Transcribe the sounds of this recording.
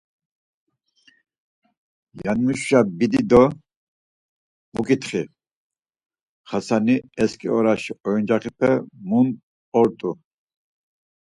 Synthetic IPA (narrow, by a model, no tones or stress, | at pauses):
janmuʃʃabid̪id̪ɔ | mukʼit̪χi | χasaniɛskʼḭɔɾaʃiɔind͡ʒaχipʰɛmun | ɔɾt̪ʼu